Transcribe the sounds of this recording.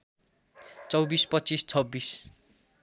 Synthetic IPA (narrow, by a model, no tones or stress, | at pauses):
t͡sʌwbispʌtt͡sist͡sʰʌbːis